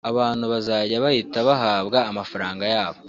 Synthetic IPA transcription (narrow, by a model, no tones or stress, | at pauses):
aβaːn̥huβazaːɟaβahitaβaɦaːβɡaːmafaɾaːŋɡajaːβo